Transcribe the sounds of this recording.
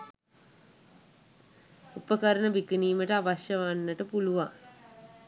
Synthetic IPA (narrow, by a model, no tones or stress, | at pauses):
upəkəɾənəbikəniːməʈəaʋaʃjəʋanːəʈəpuluʋa